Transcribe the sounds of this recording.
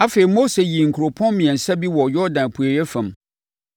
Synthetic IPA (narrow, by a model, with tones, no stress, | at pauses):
a˦fe˨i˨mo˦se˨ji˨ŋ̩˨kʰu˨ɾo˨pʰɔ̃˦nmĩ˨ɛ̃˨n̩˨sa˦bi˦wɔ˨jɔ˦dã˨n˨pʰu˨e˨jɛ˦fã˨m